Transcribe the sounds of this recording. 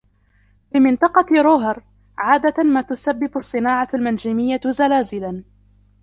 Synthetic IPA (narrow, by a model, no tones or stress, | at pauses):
fimɪnt̪ˤɑqɑɾˤoːɦɑɾˤ | ʕaːd̪amaːt̪ʊsabːɪbasˤːɨnaːʕaalmand͡ʒimɪjːazalaːzɪlan